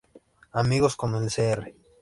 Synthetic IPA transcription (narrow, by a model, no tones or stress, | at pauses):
amiɣoskomelseere